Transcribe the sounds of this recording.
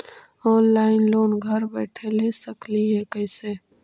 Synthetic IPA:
ɔːnlaːɪnloːnɡʱəɾbɛːʈʰelesəkliɦɛkəɪseː

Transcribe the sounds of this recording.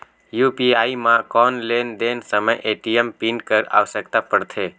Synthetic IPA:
juːpiaːimãkɔːnleːnd̪eːnsəməjʔeːʈiəmpĩɳʈkəɾa̰ːʋsəkt̪apəɾt̪ʰeː

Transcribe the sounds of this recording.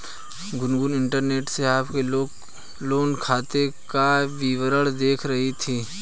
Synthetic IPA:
ɡʊnɡʊnɪ̃ɳʈəɾneːʈseaːpkeloːɡ | loːnkʰaːt̪ekaʋiʋəɾəɭd̪eːkʰɾɐɦit̪ʰiː

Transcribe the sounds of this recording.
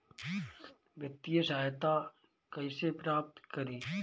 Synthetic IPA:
ʋjək̚t̪ijəsaːjt̪a | kɐisepɾaːp̚t̪kəɾiː

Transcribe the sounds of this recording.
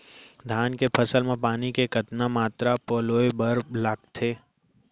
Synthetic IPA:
d̪ʱaːnkepʰɐsəlmẽpaːnikekət̪namaːt̪ɾapɔːloːebɐɾlaːɡt̪ʰeː

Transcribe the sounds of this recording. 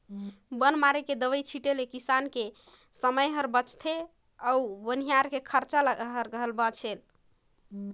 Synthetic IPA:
bənmaɾeked̪əʋəjt͡ʃʰiʈelekisanke | səməjɦəɾbət͡ʃt̪ʰe | əubənijaɾkekʰəɾt͡ʃaləɦəɾɡəɦəlbət͡ʃʰel

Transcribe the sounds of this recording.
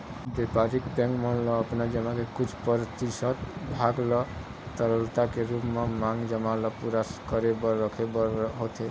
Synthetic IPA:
bepaɾikpɛ̃ŋkmənlɔəpnad͡ʒəmakekut͡ʃʰpəɾt̪isət̪bʱaɡlɔ | t̪əɾəlt̪akeɾupmamãŋɡd͡ʒəmalɔpuɾaskəɾebɔɾəkʰebɦot̪ʰe

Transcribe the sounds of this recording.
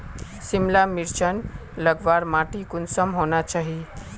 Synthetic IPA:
simlamiɾt͡ʃʰənləɡʋaɾmaːʈikʊnsəmɦoːnat͡ʃaːɦi

